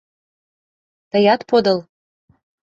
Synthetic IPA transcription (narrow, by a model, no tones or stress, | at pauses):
t̪ɤ̆jɑt̪pod̪ɤ̆l